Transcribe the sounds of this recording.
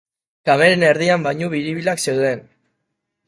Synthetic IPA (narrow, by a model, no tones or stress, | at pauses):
kameɾeneɾðiambajɲuβiɾiβilakse̞wðe̞n